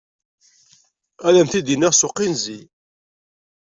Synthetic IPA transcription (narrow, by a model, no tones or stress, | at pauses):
æðæmθid̪inɪʁsʊqːinzi